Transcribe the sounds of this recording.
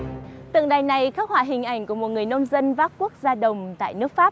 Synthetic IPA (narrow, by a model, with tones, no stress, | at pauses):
t̪ɨ̰˧˨ŋɗaː˨˩jna˨˩jkaː˦˥k̚hwa̰ː˧˩ɦï˨˩ŋ̟ʔa˨˩jŋ̟ku˧˩əmo˨˩t̚ŋɨ˨˩əjno˧wmzə˧nvaː˦˥p̚ku˦˥ək̚zaː˧ɗə˨˩wŋ͡mt̪a̰ː˧˨jnɨ˦˥ək̚faː˦˥p̚